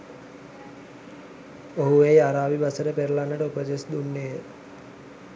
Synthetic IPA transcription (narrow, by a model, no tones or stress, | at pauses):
oɦuejaɾaːʋibasəɾəpeɾəlanːəʈəupəd͡ʒesd̪unːeː